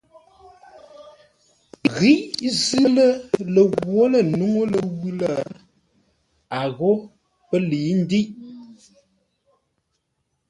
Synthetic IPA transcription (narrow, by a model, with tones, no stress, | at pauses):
ɣi˦ʔzə˦lə˦lə˨ɣwo˦lə˨nu˦ŋo˦lə˨ɣʉ˦lə˦˨ | a˨ɣo˦ | pə˦li˨˦n̩˦di˦ʔ